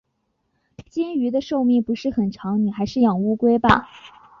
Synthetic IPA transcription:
t͡ɕɛ˥ny˧˥d̪ə˧ʂo˥˧ʊmi˥˩ŋpu˧˥ʂɻ̩˥˩xə˨˩nʈ͡ʂʰɑ˧˥ŋni˨˩xa˧˥ɪʂɻ̩˥˩jɑ˨˩ŋu˥kwe˥ɪbɐ̰˨

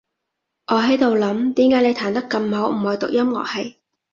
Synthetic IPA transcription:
ŋɔː˨˧ɦɐ˨˥jt̪o˨wlɐ˨˥mt̪iː˨˥mkaː˨˥jne˨˧jt̪ʰaː˨˩nt̪ɐ˥kːɐ˧mho˨˥wm̩˨˩hoː˨˩jt̪ʊ˨k̚jɐ˥mŋɔ̰ː˨˧hɐ˨˩j

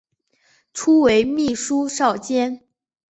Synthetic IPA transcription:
ʈ͡ʂʰu˥we˧˥ɪmi˥˩ʂu˥ʂɑ˥˩ʊt͡ɕjɛ˥n

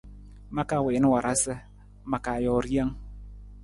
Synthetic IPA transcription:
ma˦ka˦˨we˨n˦wa˨ɾʔa˦sɪ˦ | ma˨ka˨jɔ˨ɾi˦a˦ŋ

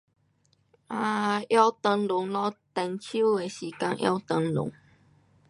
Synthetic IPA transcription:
ʔa˧ja˦wt̪ə˧ŋlʊ˨˦ŋlɔ˦t̪ɛ˧˩nt͡ɕʰu˦e˨ɕi˨˦ka˧ŋʔja̰˦t̪ə˧ŋlʊ̰˨˦ŋ

